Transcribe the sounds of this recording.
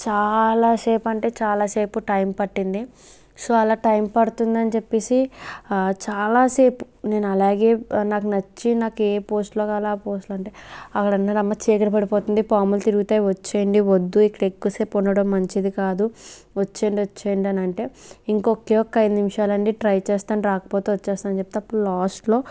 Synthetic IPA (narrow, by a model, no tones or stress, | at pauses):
t͡ʃaːlaːse̞ːpɐɳʈe̞ːt͡ʃaːlaːse̞ːpuʈɐjmpɐʈːind̪i | soːɐlaːʈɐjmpɐɽut̪und̪ɐnit͡ʃepːeːsi | t͡ʃaːlaːse̞ːpu̥ | ne̞ːnuɐlaːɡe̞ːnaːkunɐt͡ʃːinaːkueːpo̞ːsʈloːkaːlaːpoːsʈloɐɳʈe̞ːɐkːɐɽɐnːɐɾɐmːɐt͡ʃeːkɐɾɐpɐɽipoːt̪und̪ipaːmɐlt̪iɾuɡut̪aːjiʋɐt͡ʃːeːjɐɳɖiʋod̪ːuikːɐɽekːuseːpːɔɳːɐɽɐmːɐɲt͡ʃid̪ikaːd̪u | ʋɐt͡ʃːeːɳɖiot͡ʃːeːjɐɳɖiɐnɐɳʈe̞ːiŋkɔkeːjɔkːɐɐjd̪unimiʂaːlɐɳɖiʈɾɐjt͡ʃɛːst̪aːnɾaːkɐ̥poːt̪eːʋɐt͡ʃːɛːst̪anɐnt͡ʃep̚t̪eɐpːuɽulaːsʈlo̞ː